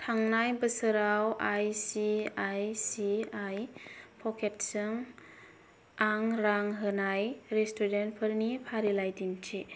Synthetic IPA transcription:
tʰaŋnajbəsɯɾawʔajsiajsiajpʰɔkʰet̚sɯŋ | aŋɾaŋɦɯnajɾestuɾent̚pʰɯɾnipʰaɾilajdintʰi

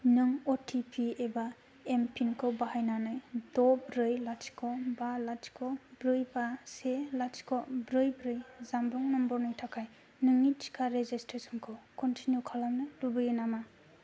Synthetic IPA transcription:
nɯŋɔtʰipʰieba | empʰinkʰɯwbahajnanɯjdɔbɾɯjlat͡ʃkʰɔbalat͡ʃkʰɔbɾɯjbaselat͡ʃkʰɔbɾɯjbɾɯjzambɾɔŋnɔmbɔɾnɯjtʰakʰaj | nɯŋitʰi̥kʰaɾezestɾesɔnkʰɯwkɔntʰinjukʰalamnɯlubɯjinama

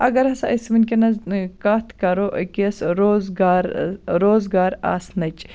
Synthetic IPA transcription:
ɐɡɐɾɦɐsaʔɐsminʲkenɐzkaːt̪ʰkɐɾoʔkisɾozɡaːɾɾoːzɡaːɾa̰ːsnɐt͡ʃ

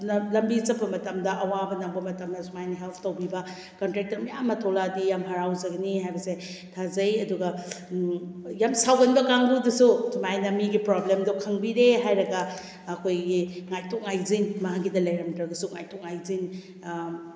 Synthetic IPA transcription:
nɐlɐmbizɐpːɐmɐtɐmdɐʔɐwabɐnɐŋbɐmɐtɐmnɐsʰumajnɐɦelpʰtɐwbibɐ | kɐntɾek̚tɐɾmɐjamːɐtʰoladijamɦɐɾawzɐɡɐniɦajbɐse | tʰazɐjɐduɡɐ | jamsawɡɐnbɐkaŋbudɐsutʰumajnɐmiɡipɾoblemdukʰɐŋbiɾeɦajɾɐɡɐː | kʰojɡiŋajtok̚ŋajzinmɐɦaɡidɐlɐjɾɐmtɾɐɡɐsuŋajtok̚ŋajzin

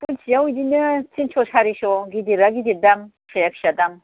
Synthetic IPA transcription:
punt͡ʃʰjawid̪inɯt͡sint͡ʃʰosʰaɾiʃɔɡid̪iɾaɡid̪iɾd̪am | sʰajakʃad̪am

